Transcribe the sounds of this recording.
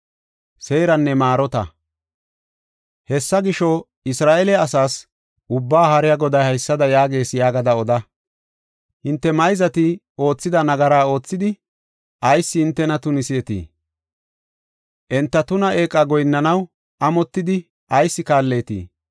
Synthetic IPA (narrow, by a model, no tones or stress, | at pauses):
seːɾɐnːɛmaːɾɔt̪ɐ̰ | hɛsːɐɡɪʃɔ | ɪsɾaːʔɛlɛɐsaːs | ʔʊbːaːhɐɾɪjɐɡɔd̪ɐjhɐjsːɐd̪ɐjaːɡe̞ːsjaːɡɐd̪ɐɔd̪ɐ | hɪnt̪ːɛmɐjzɐt̪ɪ | o̞ːt͡sːɪd̪ɐnɐɡɐɾaːo̞ːt͡sːɪd̪ɪ | ʔɐjsːɪhɪnt̪ːɛnɐt̪ʊnɪsɪɛt̪ḭː | ʔɛnt̪ːɐt̪ʊnɐʔe̞ːkʼːaɡɔjnːɐnɐw | ʔɐmɔt̪ːɪd̪ɪ | ʔɐjsːɪkaːlːe̞ːt̪ḭː